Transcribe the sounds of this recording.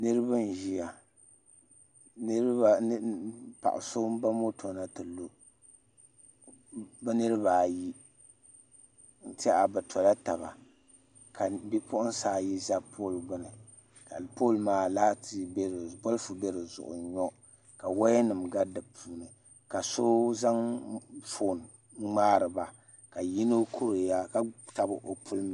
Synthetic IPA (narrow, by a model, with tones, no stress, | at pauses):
nɨ˦ɾɨ˦ba˦n˨ʒi˦a˨ | n˦ɾba˦pa̰˨ʔʊ̰˨so˦ba˦mo˦tʰo˨na˨tɨ˨lo˦ | bɛ˦nɨ˦ɾɨ˦ba˨ji˦ | n̩˦ta˦ʔa˨bɨ˨tʰɔ˨la˦ta˨ba˨ | ka˨bi˦pʰʊ˦ʔʊ˦n˦saː˨˦˨ji˦za˦pʰoː˦˨lɡ͡bʊ˦nɨ˨ | ka˨poː˦˨lmaː˦laː˦tʰi˦bɾbɔ˦lfu˨bɛ˦ɾɨ˨zʊ̰˨ʔʊ̰˨ɲɔ˦ | ka˨wa˦jɛ˦nɨ˨mɡa˦dɨ˨pʰuː˦nɨ˨ | ka˨so˦za˦ŋfo˦˨n˨ | ŋ͡maː˦ɾɨ˨ba˨ | ka˨ji˦no˦kʰu˦ɾɨ˨ja˦ka˨ta˨bɨ˨ʔo˨pʰu˦lm˨